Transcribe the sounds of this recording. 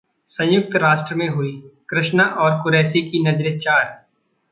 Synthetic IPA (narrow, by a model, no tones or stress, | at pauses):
sɐ̃j̃jʊk̚t̪ɾaːʃʈɾəmẽɦʊikɾɪʃnaʔɔːɾkʊɾɛːsikinɐd͡ʒɾət͡ʃaːɾ